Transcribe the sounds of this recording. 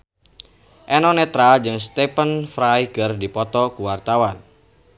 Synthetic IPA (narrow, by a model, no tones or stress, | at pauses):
ʔɛnɔnɛt̪ɾad͡ʒɨŋst̪ɛpənfɾajkɨrdipɔt̪ɔkuwart̪awan